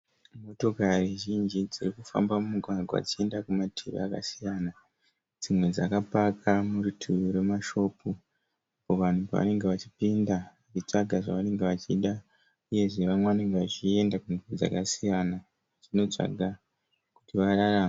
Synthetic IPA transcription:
mo̞to̞kariʒind͡ʒid͡zirikufa̰mbamumuɡʱwarɡʱaa̰d͡zie̞ndakumatʰḛʋḛaka̰sijana | d͡zimwe̞d͡zakapakʰamurutʰuuɾe̞maʃo̞pu | apo̞ʋan̤upa̰ʋa̰ne̞ŋɡe̞ʋat͡ʃipindaʋat͡ʃit͡ʂaɡʱaʐa̰ʋane̞ŋɡeʋat͡ʃiɗa | uje̞ʐe̞ʋamweʋane̞ŋɡeʋat͡ʃie̞ndakunuud͡za̰kasijana | d͡zino̞t͡ʂa̰ɡʱa | ku̥tiʋararaːma

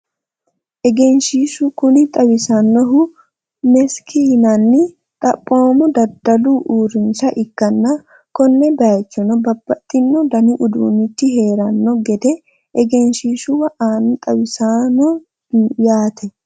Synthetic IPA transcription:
ʔɛɡɛnʃiːʃʊkʊnɪt̪ʼɐwɪsɐnːɔɦʊ | mɛskʰiːnɐnːɪ | t̪ʼɐpʼːo̞ːmɔd̪ɐd̪ːɐluʔuːɾɪnsɐʔɪkːɐnːɐ | kɔnːɛbɐt͡ʃːɔnɔbɐbːɐt̪ʼːɪnːɔd̪ɐnɪʔʊd̪ṵːnːɪt̪ːɪɦe̞ːɾɐnːɔɡɛd̪ɛ | ʔɛɡɛnʃiːʃʊwɐʔaːnɐt̪ʼɐwɪsanɔ | jaːt̪ʰɛ

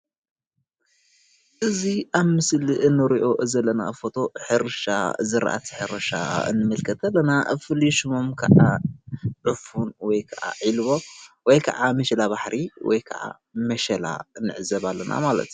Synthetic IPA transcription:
ʔɨziʔaβmɨsliʔɨnːɨɾiʔo̞ʔɨzɐlːɐna̰fot̪ʰo̞ħɨɾɨʃa̰zɨɾa̰ʔa̰t̪ʰi̥ħɨɾɐʃa̰ɨ̰nːɨmɨlkʰɐt̪ʰɐlːɐnafɨliʃumomkʰɐʔa | ʕɨfunwɔjkʰɐʔa̰ʕilβo̞wɔjkʰɐʔamɐʃɐlaβaħɾʔiwɔ̰jkʰɐʔa̰ | mɐʃɐla̰ɨnːɨ̰ʕɨzɐβalːɐna̰malɐ̰t̪

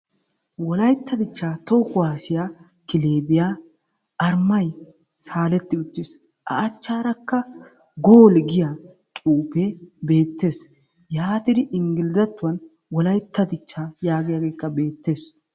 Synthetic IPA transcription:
wɔlɐjt̪ːɐd̪ɪt͡ʃːaːt̪ɔwkʊwaːsɪja | kɪleːbɪjaː | ɐɾmɐj | saːlɛt̪ːɪʊt̪ːɪs | ʔɐ̰ːt͡ʃːaːɾɐkːɐ | ɡoːlɡɪja | t̪ʼuːpebe̞ːt̪ːe̞ːs | jaːt̪ɪd̪ɪʔɪŋɡɪlzɐt̪ːʊwɐn | wɔlɐjt̪ːɐd̪ɪt͡ʃːajaːɡɪjaɡe̞ːkːɐbe̞ːt̪ːe̞ːs

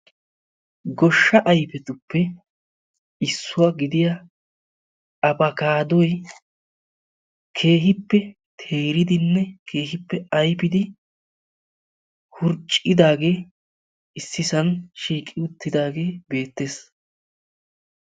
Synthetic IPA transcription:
ɡɔʃːɐʔɐjpɛt̪ʊpːɛ | ɪsːʊwaɡɪd̪ɪja | ɐbɐkaːd̪ɔj | kʰe̞ːɦɪpːɛ | t̪ʰe̞ːɾɪd̪ɪnːɛkʰe̞ːhɪpːɛɐjpɪd̪ɪ | hʊɾt͡ʃʼɪd̪aːɡe̞ː | ɪsːɪsɐnʃiːkʼːɪʊt̪ːɪd̪aːɡe̞ːbe̞ːt̪ːe̞ːs

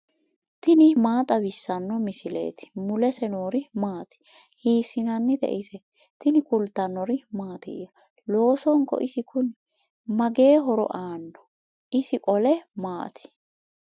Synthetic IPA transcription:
t̪ɪnɪmaːt̪ʼɐbɪsːɐnːɔmɪsɪlḛːt̪ɪ̥mʊlɛsɛnoːɾɪmaːt̪ɪ̥ | hiːsːɪnɐnːɪd̪ɛ̰ʔɪsɛ | t̪ɪnɪkʊlt̪ːɐnːɔɾɪmaːt̪ɛ̰jɐ | lo̞ːsɔŋkːɔ̰ʔɪsɪkʰʊn | mɐɡe̞ːɦɔɾɔ̰ʔaːnːɔ̥ | ʔɪsɪkʼɔlɛmaːt̪ɪ̥

